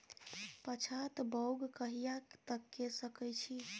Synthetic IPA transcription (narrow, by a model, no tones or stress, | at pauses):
pət͡ʃʰat̪bəwɡkəɦijat̪əkːesəkəjt͡ʃʰi